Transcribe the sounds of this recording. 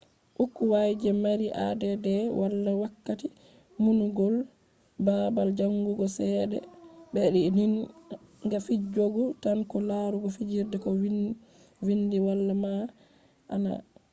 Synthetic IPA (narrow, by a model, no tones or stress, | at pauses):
ʔukːuwajd͡ʒɛmaɾiʔa̰dɛdɛwalːawakːati | munuɡɔl | babald͡ʒaŋɡuɡɔsɛɗɛ̰bɛɗinin | ŋɡafid͡ʒoɡutankɔlaɾuɡɔfid͡ʒiɾdɛkɔ | windiwalːama | ʔa̰na̰